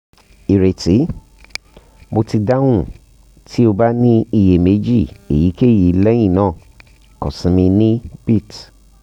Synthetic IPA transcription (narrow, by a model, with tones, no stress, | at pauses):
i˨ɾe˨ti˨˦ | mo˧ti˧da˦wũ˦˨ | tʰi˦o˧ba˦nĩ˦i˦˨je˨me˨˦d͡ʒi˦˨ḛ˨ji˨˦ke˦˨ji˨˦lɛ̃˦ĩ˦˨nãː˦˨ | kɔ˨sĩ˨˦mĩ˧nĩ˦bi˦˨t